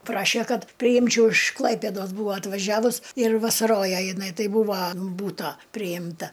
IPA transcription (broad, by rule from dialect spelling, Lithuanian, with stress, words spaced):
ˈprɑːʃʲɛ ˈkɐt pʲrʲɪˈjɪmʲt͡ʃʲɛʊ ɪʃ ˈklˠɐɪpʲeːdoːs ˈbuːʋɐ ɐtʋɐˈʒʲæːʋʊs ɪr ʋɐsɐˈroːjɛ jɪˈnɐɪ ˈtɐɪ ˈbuːʋɐ ɐn ˈbuːtoː pʲrʲɪjɪmˈtɐ